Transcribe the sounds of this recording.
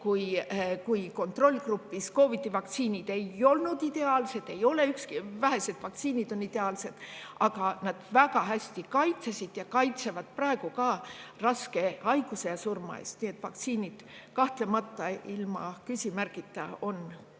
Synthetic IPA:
kujkujko̞nt̪ro̞lʲːɡrupːˑisko̞ːvit̪ːˑivɑk̚t̪siːnʲid̪̥e̞jo̞lnud̪̥id̪̥e̞ɑːlse̞d̪̥e̞jo̞le̞ykskivæɦe̞se̞d̪̥vɑk̚t̪siːnid̪̥o̞nid̪̥e̞ɑːlse̞d̪̥ɑɡ̥ɑnɑd̪̥væɡɑɦæsʲt̪ikɑjt̪sesid̪̥jɑkɑjt̪se̞vɑd̪̥̚prɑeɡ̥ukɑrɑske̞ɑjɡ̥use̞jɑsurmɑ̰ḛst̪nie̞t̪ːˑvɑk̚t̪siːnʲid̪̥kɑht̪le̞mɑt̪ːˑɑilmɑ̰kysʲimærɡit̪ːˑɑo̞n

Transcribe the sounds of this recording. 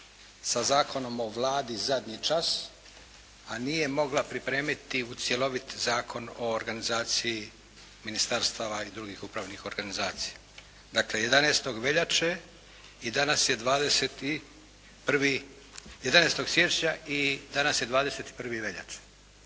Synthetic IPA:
sazaːkʰo̞no̞mo̞ʋlˠaːd̪izad̪ɲit͡ʃas | anije̞mo̞ɡlˠapɾipɾe̞ːmit̪iut̪sje̞lo̞ʋit̪zaːkʰo̞no̞ːɾɡanizaːt̪sii | minist̪aɾst̪aʋaid̪ɾuɡixupɾaʋnixo̞ɾɡanizaːt̪si̥ja | d̪akle̞je̞d̪aneːst̪o̞ɡʋe̞ʎat͡ʃe | id̪anasjed̪ʋaːd̪eset̪i | pr̩ʋi | jed̪anest̪o̞ɡsʋje̞t͡ʃɲaid̪anasjed̪ʋaːd̪ese̞t̪i̥pr̩ʋiʋe̞ʎa̰t͡ʃe̥

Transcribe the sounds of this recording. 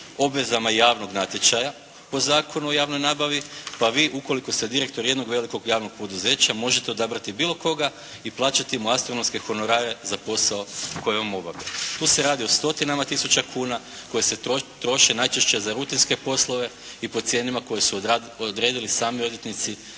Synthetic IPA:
o̞bʋe̞zamajaːʋno̞ɡnat̪je̞t͡ʃaja | po̞zaːkʰo̞nuo̞jaːʋnojnaːbaʋipaʋiːʔuko̞liko̞st̪ed̪iɾe̞k̚t̪o̞ɾjed̪no̞ɡʋe̞liko̞ɡjaːʋno̞ɡ̥̚po̞d̪uze̞ːt͡ɕamo̞ʒe̞t̪eo̞d̪abɾat̪ibiːlˠo̞ko̞ɡa | iplˠaːt͡ʃat̪imuast̪ɾo̞no̞mske̞xo̞no̞ɾaːɾe̞zapo̞saoko̞jeʋamo̞baʋet̪uːseɾaːd̪io̞st̪o̞t̪inamat̪isut͡ɕakʰuːna | ko̞jeseot̪ɾo̞ʃe̞najt͡ʃeʃt͡ʃe̞zaɾut̪inske̞po̞slˠo̞ʋe̞ | ipo̞t̪sʲje̞ːnimako̞je̞su | od̪ɾe̞ːd̪ilisaːmio̞d̪je̞t̪nit̪si

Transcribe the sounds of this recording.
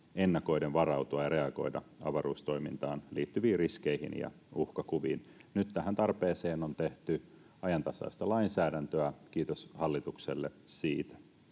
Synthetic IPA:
enːɑko̞jdenʋɑɾɑwt̪uɑjɑɾe̞ɑɡ̥o̞̰jdɑ̰ɑ̰ʋɑɾuːst̪o̞jmint̪ɑːnliːt̪ːyʋiːrisk̟ejhḭnjɑ̰ | uhkɑkuʋḭːnnyt̪ːæɦænt̪ɑrpeːse̞ːno̞nt̪e̞ht̪y | ɑjɑnt̪ɑsɑ̰ist̪ɑlɑinsæːdænt̪øæk̟iːt̪oshɑlːit̪ukselːḛsiːt̪æ̥

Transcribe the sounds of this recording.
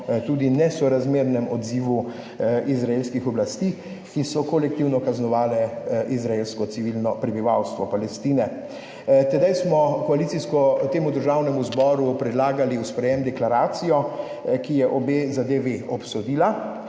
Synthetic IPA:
t̪uːd̪inɛsɔɾazmeːɾnɛmɔd̪ziːʋu | ʔizɾaelskixɔblast̪iː | kisɔkolɛk̚t̪iwnɔkaznɔʋaːlɛʔizɾaelskɔt̪siʋilnɔpɾɛbiʋawst̪ʋɔpalɛst̪iːnɛ | t̪ɛd̪ajsmɔkɔalit̪siskɔt̪eːmud̪əɾʒawnɛmuzbɔːɾupɾɛd̪laːɡaliwspɾɛjemd̪ɛklaɾaːt̪sijɔ | kijɛʔɔbeːzad̪eʋeɔpsɔd̪iːla

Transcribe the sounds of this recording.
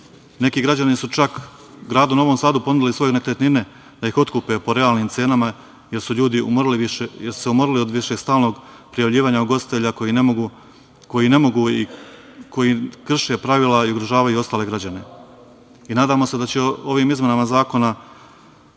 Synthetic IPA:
ne̞kiːɡɾad͡ʑanisut͡ʃak | ɡɾaːd̪unaoʋo̞ːmsaːd̪upo̞nud̪iliso̞jenekɾet̪nine̞ | d̪aixo̞t̪kupepo̞ɾe̞aːlniːmt̪se̞ːnama | je̞ɾsuʎuːd̪iṵmoɾiliʋiʃejeɾsu̥se̞umoɾilio̞d̪ʋiʃeɡst̪aːlno̞ɡ | pɾijaʋʎiːʋaːɲauɡo̞st̪i̥t̪e̞ʎakoiɡ | ko̞jine̞mo̞ɡuːi | ko̞jikr̩ʃepɾaʋiːlaiuɡɾoʒaːʋajuo̞st̪aːle̞ɡɾad͡ʑane̞ | inaːd̪aːmo̞se̞d̪at͡ɕeo̞ʋiːmizme̞namazaːko̞na

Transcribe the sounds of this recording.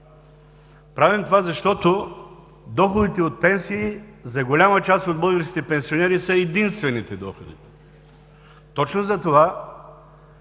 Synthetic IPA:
pɾavimt̪ovazɐʃt̪ɔt̪o | d̪ɔxod̪it̪ɛot̪̚pɛnsiːzɐɡolʲamət͡ʃast̪od̪bɤlˠɡəɾskʲit̪ɛpɛnsionɛɾisɐɛd̪inst̪vɛnit̪ɛd̪ɔxod̪ḭ | t̪ɔt͡ʃnozɐt̪ova

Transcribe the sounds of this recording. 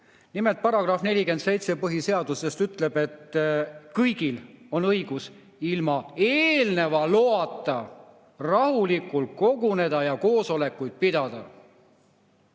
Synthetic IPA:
nimelt̪̚pɑɾɑɡ̥rɑfne̞lʲike̞nt̪se̞jt̪se̞pɤɦise̞ɑd̪̥use̞st̪yt̪ːˑle̞b̥e̞t̪ːkɤjɡ̥ilo̞nɤjɡ̥us | ilmɑe̞ːlne̞vɑloɑt̪ːˑɑ | rɑhulikːˑult̪̚ko̞ɡune̞d̪̥ɑjɑko̞ːso̞le̞kːˑujd̪̥̚pid̪̥ɑd̪̥ɑ

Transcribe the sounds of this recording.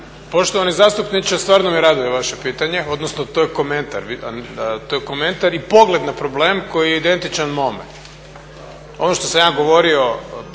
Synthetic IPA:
po̞ʃt̪oʋanizaːst̪upnit͡ʃast̪ʋaːɾnomiɾad̪ujeʋaʃepiːt̪aɲeo̞d̪nosnot̪ojeko̞ment̪a̰ɾʋit̪ojeko̞me̞nt̪aɾipo̞ɡle̞d̪napɾo̞bleːmko̞jijeid̪e̞nt̪it͡ʃanmo̞mḛn | o̞̰noʃt̪o̞samjaːɡo̞ʋo̞ɾio̞

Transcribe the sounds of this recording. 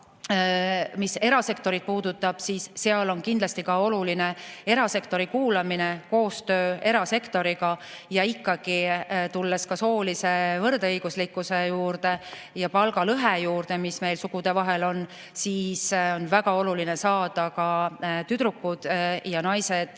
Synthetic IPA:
mise̞ɾɑse̞kt̪o̞ɾid̪̥̚puːd̪̥ut̪ːˑɑb̥siːsːeɑlo̞nkind̪lɑst̪ikɑo̞luline̞e̞ɾɑse̞kt̪o̞ɾikuːlɑmineko̞ːst̪ø̞ːe̞ɾɑse̞kt̪o̞ɾiɡɑjɑikːɑɡ̥it̪ulːeskɑso̞ːlise̞vɤrd̪ɤjɡ̥uslikːˑuse̞juːɾd̪e̞ | jɑpɑlɡ̥ɑlɤɦejuːrd̪e̞misme̞jlsukud̪̥e̞vɑɦe̞lo̞n | siːso̞nvæɡ̥ɑo̞lulinesɑːd̪̥ɑkɑt̪yd̪ɾukːˑud̪̥jɑnɑjsed̪̥

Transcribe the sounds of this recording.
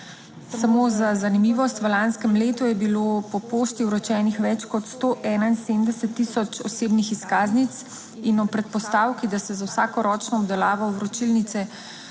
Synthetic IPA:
samozazanimiʋɔst̪ʋəlanskɛmleːt̪ujɛbiloːpɔpoːʃt̪iwɾɔt͡ʃɛːnixʋɛt͡ʃkɔt̪st̪oʔɛːnainseːmd̪ɛsɛt̪ːisɔt͡ʃɔseːbnixiskaːznit̪s | inɔpɾɛt̪̚pɔst̪aːwkid̪asɛzawsaːkɔɾɔːt͡ʃnɔːbd̪ɛlaːʋɔwɾɔt͡ʃilnit̪sɛ

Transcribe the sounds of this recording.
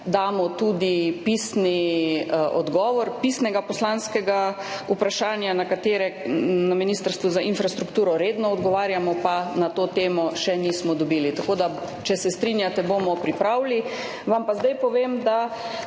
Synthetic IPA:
d̪aːmɔt̪ud̪ipiːsni | ɔ̰d̪ɡɔːʋɔɾpisnɛɡapɔslanskɛɡaupɾaʃaːnjanakat̪eːɾɛnaminiːst̪aɾst̪ʋuzaʔinfɾast̪ɾukt̪uːɾɔɾeːd̪nɔːd̪ɡɔʋaːɾjamɔpanat̪oːt̪eːmɔʃɛniːsmɔd̪ɔbiːlit̪akoːd̪a | t͡ʃɛsɛst̪ɾinjat̪ɛbomɔpɾipɾawli | ʋampazd̪ajpɔʋeːmd̪a

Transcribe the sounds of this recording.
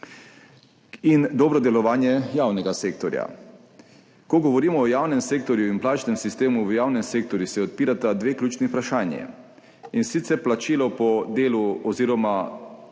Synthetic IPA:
ind̪ɔːbɾɔd̪ɛlɔʋaːnjɛjaːwnɛɡaseːk̚t̪ɔɾja̰ | kɔɡɔʋɔɾiːmɔːjaːwnɛmseːk̚t̪ɔɾjuinplaːt͡ʃnɛmsist̪eːmuʋjaːwnɛmseːk̚t̪ɔɾjusɛɔt̪̚piːɾat̪ad̪ʋeːklʲjuːt͡ʃnipɾaʃaːnjḭ | insit̪sɛɾplat͡ʃiːlɔpɔd̪eːluɔziːɾɔma

